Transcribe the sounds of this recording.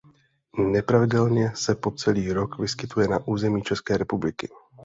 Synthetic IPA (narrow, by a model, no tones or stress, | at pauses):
nɛpɾavɪdɛlɲɛsɛpo̞t͡sɛliːɾo̞kvɪskɪt̪ujɛnaʔuːzɛmiːt͡ʃɛskɛːɾɛpublɪkɪ